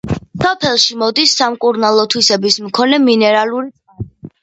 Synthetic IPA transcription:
sɔpʰɛlˠʃimɔd̪isːamkʼuɾnalˠɔt̪ʰwisɛbismkʰɔnɛminɛɾaluɾi | a

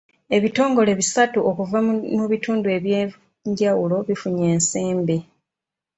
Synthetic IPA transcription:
e̞βito̞ːŋɡo̞le̞βisatuʔokuvanoβituːndue̞βje | ɲɟawulo̞βifuɲe̞ːnse̞ːmbe̞

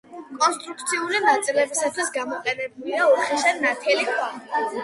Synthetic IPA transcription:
kʼɔnst̪ʼɾuk̚ʰt̪sʰiulinat̪sʼilɛbisat̪ʰwisɡamɔqʼɛnɛbuliauχiʃɛnat̪ʰɛlikʰwa

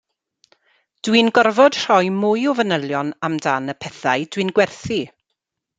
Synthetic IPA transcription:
d̥winɡɔrvɔd̥r̥ɔjmʊjɔvənəlˠjɔnamdanəpʰɛθajdwɨnɡwɛrθi

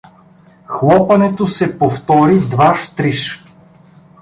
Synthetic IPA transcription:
xlˠɔpɐnɛt̪osɛpoft̪ɔɾid̪vaʃt̪ɾiʃ

